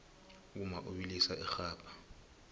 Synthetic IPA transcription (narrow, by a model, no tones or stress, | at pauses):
k̬umaʔuɓilisaʔɛxaːpʰḁ